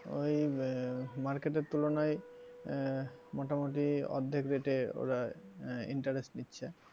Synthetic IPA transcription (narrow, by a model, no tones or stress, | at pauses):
o̰j | maɾkeʈeɾt̪ulonaj | mɔʈamoʈiɔ̰d̪ʱːekɾeʈeo̰ɾaḭɳʈaɾesʈnitːɕʰe